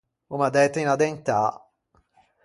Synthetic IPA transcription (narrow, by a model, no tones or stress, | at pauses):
umad̪ɛt̪ːinad̪ɛnt̪a